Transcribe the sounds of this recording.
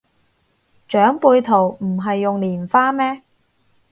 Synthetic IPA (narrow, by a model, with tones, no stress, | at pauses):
t͡ʃœː˨˥ŋpuː˧jt̪ʰo˨˩wm̩˨˩ɦɐ˨jːʊ˨ŋliː˨˩nfaː˥mɛː˥